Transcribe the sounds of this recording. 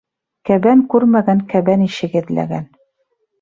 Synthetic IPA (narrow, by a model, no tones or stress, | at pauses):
kæβæŋkʉɾmæɡæŋkæβæniʃɘ̆ɡɘ̆ðlæ̰ɡæn